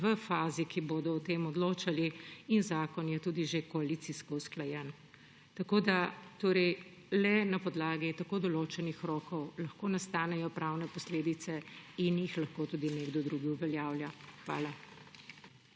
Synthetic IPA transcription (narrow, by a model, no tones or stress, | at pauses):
ʋəfaːzikiboːd̪ɔɔt̪eːmɔd̪loːt͡ʃaliinzaːkɔnjɛt̪uːd̪iʒekɔalit̪siskɔusklajɛn | t̪ɐkoːd̪at̪oːɾɛj | lɛnapɔd̪laːɡit̪akoːd̪ɔloːt͡ʃɛnixɾɔːkɔwlɐxkoːnast̪aːnɛjɔpɾawnɛpɔsleːd̪it̪sɛinjixlɐxkoːt̪uːd̪ineːɡd̪ɔd̪ɾuːɡiuʋɛljaːwljaxʋa̰ːla